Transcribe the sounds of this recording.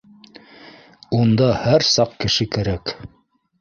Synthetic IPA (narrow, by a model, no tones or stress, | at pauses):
und̪ɑhæɾsɑqkɘ̆ʃɘkæɾæk